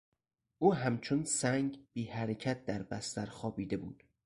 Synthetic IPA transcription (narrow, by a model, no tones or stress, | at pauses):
ʔuːɦæmt͡ʃʰonsæŋɟb̥iːhæɾecʰæt̪̚ʰd̪æɾbæst̪æɾxɒːbiːd̪e̞bṵːd̪̥